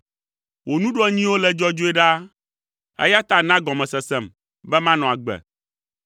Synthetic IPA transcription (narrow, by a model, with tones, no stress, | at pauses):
wo˨nũ˦ɖɔ˦ɲĩ˦wo˦lɛ˦d͡ʒɔ˦d͡ʒo˦ɛ˦ɖa˦ | ɛ̰˦ja˦t̪a˨nã˦ɡɔ̃˨mɛ̃˨sɛ˨sɛ˦˨m | bɛ˦mã˦nɔ̃˨a˨ɡ͡bɛ̰˨